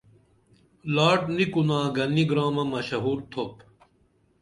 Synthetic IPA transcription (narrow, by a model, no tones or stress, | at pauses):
laːʈnikunaːɡɐniɡɾaːmɐmɐɕɐɦuːɾt̪ʰop